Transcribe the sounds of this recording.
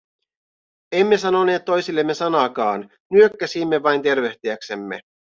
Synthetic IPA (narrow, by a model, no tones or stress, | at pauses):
e̞mːe̞sɑno̞ne̞ːt̪ːo̞jsilːe̞mːe̞sɑnɑːkɑːn | nyøkːæsimːe̞ʋɑjnt̪e̞rʋe̞ht̪iæksemːe̞̰